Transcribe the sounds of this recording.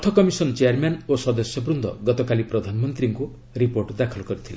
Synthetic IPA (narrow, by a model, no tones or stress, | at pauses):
ɔt̪ʰɔkɔmisɔnt͡ʃeaɾmanosɔd̪ɔsjɔbɾund̪ʱɔ̰ɡɔt̪ɔkalipɾɔd̪ʱanɔmɔnt̪ɾiŋku | ɾipoɾʈd̪akʰɔlɔkɔɾit̪ʰilḛ